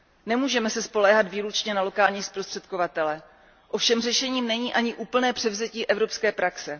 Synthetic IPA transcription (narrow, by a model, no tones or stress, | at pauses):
nɛmuːʒɛmɛsɛspo̞lɛːɦad̪viːɾut͡ʃɲɛnalo̞kaːlɲiːspɾost̪r̥ɛt̪̚kovat̪ɛlɛ | ʔofʃɛmr̝ɛʃɛɲiːmnɛɲiːʔaɲɪʔuːpl̩nɛːpr̥ɛvzɛciːʔɛvɾo̞pskɛːpɾaksɛ